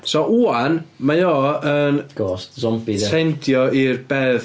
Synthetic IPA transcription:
sɔʔuːanmajɔːənɡ̥ɔstzɔmpiɛntʰjɔirb̥ɛːð

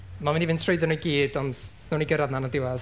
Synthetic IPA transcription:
mamɪnivɪntʰrʊɨdənujɡiːdɔnd̥ | nɔniɡəɾaðnanadɪwað

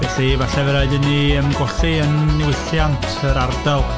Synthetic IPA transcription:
vɛθivaɬɛvəɾaɨðəniəmɡwɔɬiənːɪwɪθjantʰəɾardalˠ

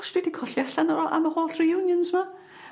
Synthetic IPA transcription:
ʃtwidikʰɔɬjɛɬanɔɾɔʔa̰mahoːɬrijuːnjənzma

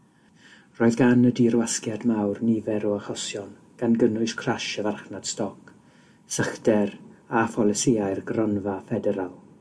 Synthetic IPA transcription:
roːɨðɡanədiɾwaskjadmawrnɪvɛɾɔəχɔsjɔn | ɡ̥anɡənʊɨskʰraʃəvarχnad̥stɔk | səχd̥ɛrafɔlˠɛsɪaɨrɡrɔnvafɛdɛɾalˠ

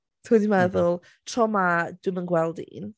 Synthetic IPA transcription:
tʰudimɛðʊlˠ | tʰrɔmad̥wɪmənɡwɛlˠdḭn

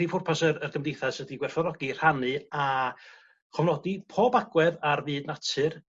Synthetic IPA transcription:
ifʊrpʰasərərɡəmdejθasədiɡwɛrθɔɾɔɡir̥anɨa | kʰɔvnɔdipʰoːbaɡwɛðarvɨːdnatʰɨr

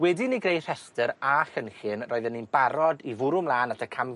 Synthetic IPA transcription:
wɛdiniɡrejθhɛstəɾaxənχɨnrɔːɨðənːinbaɾɔdivʊɾʊmlˠaːnatʰəkʰam

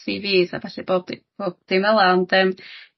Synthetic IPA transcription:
siviːθa̰vɛɬɛb̥oːb̚b̥oːb̚d̥iməlˠandɛm

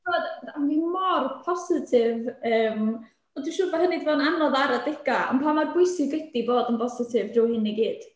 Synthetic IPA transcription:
d̥odanimɔrpʰɔsɪtʰɪvəːm | ɔduʃʊvahənɨdvɔːnanɔðaɾadɪɡ̥aɔ̰mpʰamarbʊjsɪɡɛdiboːdənpʰɔsɪtʰɪvdrʊwhɪniɡiːd̥

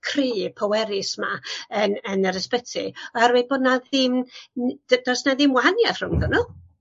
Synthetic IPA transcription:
kʰriːpʰɔwɛɾɪsmaənənəɾəspətʰɨɔhaɾweboːdnaðɪmd̥əd̥ɔsnaðɪmwaanjar̥ʊŋðənʊ

